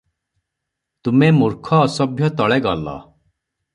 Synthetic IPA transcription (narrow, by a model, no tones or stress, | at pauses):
t̪umemuɾkʰɔːsɔbʱjɔt̪ɔɭeɡɔlɔ̰